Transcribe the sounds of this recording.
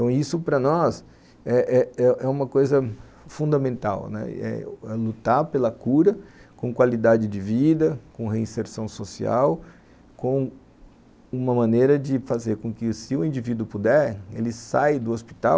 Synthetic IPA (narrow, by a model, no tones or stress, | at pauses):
t̪ɐ̃w̃isʊpɾɐnɔs | ɛʔɛɛʔɛũmɐkojzɐ | fũd̪ɐmẽnt̪a̰wnɛ̰ɛ̰ɛlut̪aɾpelɐkuɾɐkõkwalid̪ad͡ʒɪd͡ʒɪvid̪ɐkõɦeĩseɾsɐ̃w̃sosia̰w | kõ | ũmɐmɐ̃nejɾɐd͡ʒɪfazeɾkõkɪsɪʊĩd͡ʒivid̪ʊpud̪ɛɾelɪsajd̪ʊospi̥t̪a̰w